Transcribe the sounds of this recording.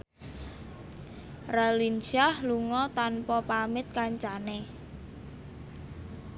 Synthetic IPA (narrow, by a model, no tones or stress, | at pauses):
ralinsahluŋɔt̪anpɔpamɪt̪̚kaɲt͡ʃane